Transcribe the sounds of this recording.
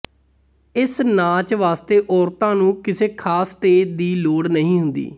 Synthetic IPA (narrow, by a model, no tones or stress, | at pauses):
ɪsnaːt͡ʃʋaːst̪eːʔɔːɾt̪ãːnũːkɪseːkʰaːsːʈeːʈ̚d̪iːloːɽnəɦĩːɦʊnd̪ḭː